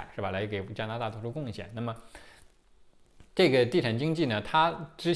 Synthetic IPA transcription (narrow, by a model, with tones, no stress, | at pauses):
ʂɻ̩˥˩bɐ˩la˧˥ɪke˨˩ɪ˥˩t͡ɕjɑ˥na˥a˥˧wʂʰu˥˧kʊ˥˧ŋɕjɛ̰˥˩nna˥˩mə˩ | ʈ͡ʂɤ˥˩ɡə˩t̪i˥˩ʈ͡ʂʰa˨˩ŋt͡ɕi˥ŋt͡ɕi˥˩nə˩t̪ʰa˥ʈ͡ʂɻ̩˥